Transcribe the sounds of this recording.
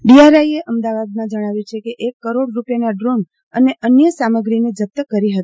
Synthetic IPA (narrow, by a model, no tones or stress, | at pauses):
ɖiaɾaieʔəmd̪aʋad̪̚mãd͡ʒəɽ̃aʋjut͡ʃʰekeʔekːəɾoɽɾupjanaɖɾon | əneʔənjəsaməɡɾined͡ʒəp̚t̪əkəɾiɦət̪